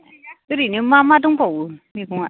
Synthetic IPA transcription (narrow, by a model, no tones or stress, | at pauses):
uɾinemamad̪uŋpɔwumikuŋa